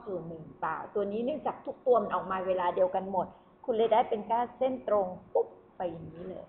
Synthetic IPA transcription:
suː˨˩nɯ˨˩˨pa̰ː˧˩wt̪u˧ɐniː˦˥nɯ˥˩˨ŋt͡ɕaː˨˩k̚t̪ʰu˦˥k̚t̪u˧ɐma˧nʔɔː˨˩k̚maː˧weː˧laː˧di˧əwka˧nmo˨˩t̪̚ | kʰu˧nlɤ˧˩daː˥˩jpe˧nkaː˥˩se˥˩nt̪ɾo˧ŋpu˦˥p̚ | pa˧ja˨˩ŋniː˦˥lɤ̰ː˧j

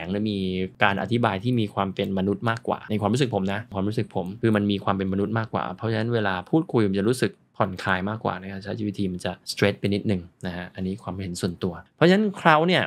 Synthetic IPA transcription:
ɛ˩˦ŋni˧˩miː˧kaː˧nʔa̰˨t̪ʰi˦baː˧jt̪ʰiː˥˩miː˧kʰwaː˧mpe˧nma˧nu˦˥t̪̚maː˥˩kːwa̰ː˨˩na˧jkʰwaː˧mɾu˦˥sɯ˨˩k̚pʰo˩˦mna˦˥ʔkʰwaː˧mɾuː˦˥sɯ˨˩k̚pʰo˩˦mkʰɯː˧ma˧nmiː˧kʰwaː˧mpe˧nma˧nu˦˥t̪̚maː˥˩kːwa̰ː˨˩pʰɔ˦˥t͡ɕʰːna˦˥nweː˧laː˧pʰuː˥˩t̪̚kʰu˧jma˨˧nt͡ɕa˨˩ɾuː˦˥sɯ˨˩k̚pʰɔ˨˩nkʰaː˧jmaː˥˩kwa̰ː˨˩na˦˥˩kʰa˦˥˩t͡ɕʰa˧˦˥jʰa˦˥˩wi˦t̪ʰiː˧ma˧nt͡ɕa˨˩st̪ɾe˦˥t̪̚pe˧nːi˦˥t̪̚nɯ˨˩ŋna˦˥kʰa˦˥ʔa˧nːiː˦˥kʰwaː˧m˦ɦe˩˦nsu˨˩ənt̪u˧ɐɔ˦˥t͡ɕʰa˧na˦˥nkʰɾa˦˥wni˥˩ɐ

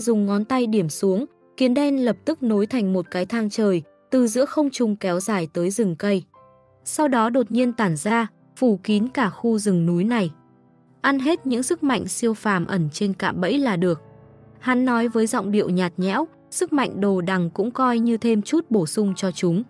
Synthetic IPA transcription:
zʊ˨˩ŋ͡mŋɔ˨˦nt̪a˧jɗi˧˩əmsu˨˦əŋ | ki˨˦ənɗɛ˧nlə˨˩p̚t̪ɨ˦˥k̚no˨˦jt̪ʰa˨˩jŋ̟mo˨˩t̚kaː˨˦jt̪ʰaː˧ŋt͡ɕəː˨˩j | t̪ɨ˨˩zɨ̰˧˥əxə˧wŋ͡mt͡ɕʊ˨˩ŋ͡mkɛ˨˦wzaː˧˩jt̪əː˨˦jzɨ˨˩ŋkə˧j | sa˧wɗɔ˨˦ɗo˨˩t̚ɲi˧ənt̪aː˧˩nzaː˧ | fu˧˩ki˨˦nkaː˧˩xu˧zɨ˨˩ŋnu˨˦jna˨˩j | ʔa˧nɦe˦˥t̚ɲɨ̰˧˥ŋsɨ˦˥k̚ma̰˧˨jŋ̟si˧əwfaː˧˩mʔə˧˩nt͡ɕe˧nka̰ː˧˨mɓə̰˧˥jlaː˨˩ɗɨ˨˩ək̚ha˨˦nːɔ˨˦jvəː˨˦jzɔ̰˧˨wŋ͡mɗḭ˧˨əwɲaː˨˩t̚ɲɛ̰˧˥w | sɨ˦˥k̚ma̰˧˨jŋ̟ɗo˨˩ɗa˨˩ŋkʊ̰˧˥ŋ͡mkɔ˧jɲɨ˧t̪ʰe˧mt͡ɕu˦˥t̚ɓo˧˩sʊ˧ŋ͡mt͡ɕɔ˧t͡ɕʊ˨˦ŋ͡m

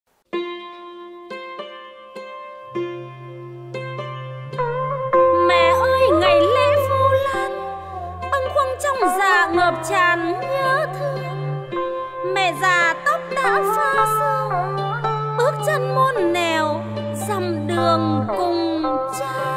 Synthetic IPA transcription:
mɛ̰˧˩˨ʔəː˧jŋa˨˩jle˧vu˧laː˧n | ɓə˧nxwə˧ŋt͡ɕɔ˧wŋ͡mzaː˨˩ŋəː˨˩p̚t͡ɕaː˨˩˨nɲəː˨˦t̪ʰɨ˧ | mɛ̰˧˩˨zaː˨˩t̪ə˦˥p̚ɗaː˧˥saː˧sa˧w | ɓɨ˦˥ək̚t͡ɕə˧nmo˧ənːɛ˨˩w | zə˨˩mɗɨ˨˩əŋkʊ˨˩ŋ͡mt͡ɕɨ˧

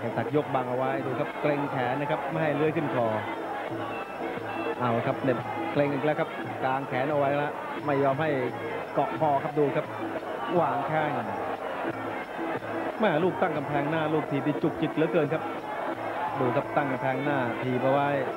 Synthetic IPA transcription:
aː˨˩t͡ɕa˨˩k̚jo˦˥k̚ba˧ŋʔa˧wa˦˥jduː˧kʰa˦˥p̚kle˧ŋkʰɛː˩˦nːa˦˥kʰa˦˥p̚ma˥˩jha˥˩jlɯ˦˥ə˨jkʰɯ˥˩nkʰɔː˧˦ | ʔa˧˩wkʰa˦˥p̚ne˧˩p̚ | kle˧ŋka˧˩klɛ˦˥˩kʰa˦˥p̚ | klaː˧ŋkʰɛː˩˦nʔa˧wa˦˥ja˧˥lɛ˦˥ | ma˥˩jːɔː˧mɦa˥˩j | kɔ˨˩pʰɔː˧kʰa˦˥p̚duː˧kʰa˦˥p̚ | waː˧˩ŋkʰaː˥˩ŋ˨˩na˧˩ | mɛː˥˧˩luː˥˩k̚t̪a˥˩ŋka˧mpʰɛː˧ŋnaː˥˩luː˥˩k̚t̪ʰiː˨˩p̚niː˧˩t͡ɕu˨˩k̚t͡ɕi˨˩t̪̚lɯː˨˦kɤː˧nkʰa˦˥p̚ | duː˧kʰa˦˥p̚t̪a˥˩ŋka˧mpʰɛː˧ŋnaː˥˩t̪ʰiː˨˩p̚ʔa˧wa˦˥j

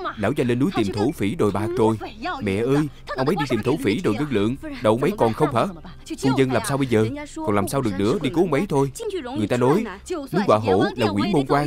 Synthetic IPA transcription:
la̰ː˧˥wzaː˧nle˧nːu˨˦jt̪i˨˩mt̪ʰo˧˩fi˧˩ɗo˨˩jɓaː˨˩k̚t͡ɕo˨˩jmɛ̰˧˨ʔəː˧jʔə˧wŋ͡mə˨˦jɗi˧t̪i˨˩mt̪ʰo˧˥˦fi˧˩ɗo˨˩jɣə˧ŋ̚lɨ̰˧˨əŋɗə˨ʔə˧wŋ͡mʔə˨˦jkɔ˨˩nxə˧wŋ͡mhə̰ː˧˥ | fu˧ŋ͡mzə˧nlaː˨˩msaː˧wɓə˧jzəː˨˩kɔ˨˩nlaː˨˩msaː˧wɗɨ˨˩ək̚nɨ̰˧˥əɗi˧ko˨˦ə˧wŋ͡mʔə˨˦jt̪ʰo˧jŋɨ˨˩əjt̪aː˧nɔ˨˦jnu˨˦jkwa̰ː˧˨ɦo̰˧˩˥laː˨˩kwi˧˩˦mo˧nkwaː˧

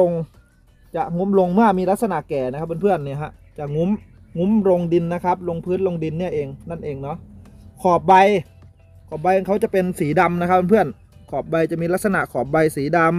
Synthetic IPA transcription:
o˧ŋ | t͡ɕa˨˩ʔŋu˦˥mlo˧ŋmɯ˥˩ɐmiː˧la˦˥sa˧na˨˩ʔkɛː˨˩na˦˥kʰp̚ba˧pʰɯ˥˩ənːi˦˧˩ɐɦa˦˥ʔ | t͡ɕa˨˩ŋu˦˥m | ŋu˦˥mɾo˧ŋdi˧nːa˦˥kʰa˦˥p̚lo˧ŋpʰɯː˦˥˩nlo˧ŋdi˧nːi˥˩ɐʔeː˧ŋna˥˩nʔeː˧ŋnɔ˦˥ʔkʰɔː˨˩p̚ba˧j | kʰɔː˨˩p̚ba˧jʔŋkʰa˦˥wt͡ɕa˨˩pe˧nsiː˩˦da˧mna˦˥k̚ʰba˧pʰɯ˥˩ən | kʰɔː˨˩p̚ba˧jt͡ɕa˨˩miː˧la˦˥t̚sa˧na̰˨˩ʔkʰɔː˨˩p̚ba˧jsiː˩˦da˧m

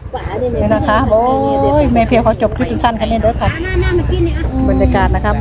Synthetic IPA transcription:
e˧˩na˧˩kʰa˦˥o˧˦jmɛː˧˩pʰi˧˨wkʰa˧˩t͡ɕo˨˩p̚kʰɾi˦˥pːi˧nsa˧˥˨nkʰa˧nːeː˧˩dəː˧˦kʰa˧˩a˧˥˨na˧˥˨ma˨˩kiː˧˥˩ni˧ba˨nɲa˧kaː˨n̚na˧kʰa˦˥

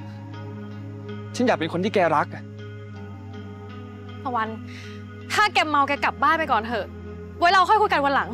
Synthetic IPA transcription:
t͡ɕʰa˦˥njaː˨˩pe˧nko˧nt̪ʰiː˥˩kɛː˧ɾa˦˥k̚ | t̪ʰa˧˩wa˧n | k̪ʰaː˥˩kɛ˧mːa˧wkɛː˧ka˨˩p̚baː˥˩pa˧jkɔː˨˩ntʰɤː˧˩ | wa˨˦˥jɾa˧wkʰɔ˥˩jkʰu˧jka˧jwa˧nla˩˦ŋ

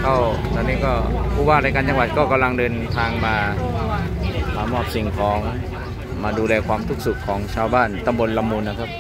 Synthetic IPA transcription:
kʰa˥˩w | t̪ɔː˧nːiː˦˥kɔː˥˩pʰuː˥˩waː˥˩ɾaː˧jka˧nt͡ɕa˧ŋwa˨˩kɔː˥˩ka˧mla˧ŋdɤː˧nt̪ʰaː˧ŋmaː˧ | maː˧mɔː˥˩p̚si˨˩ŋkʰɔː˩˦ŋ | maː˧duː˧lɛː˧kʰwaː˧mt̪ʰu˦˥k̚sɯ˨˩kʰːɔː˩˦ŋt͡ɕʰaː˧wbaː˥˩nt̪a˧mbo˧nla˧mːuː˧nːa˥kʰa˦˥p̚

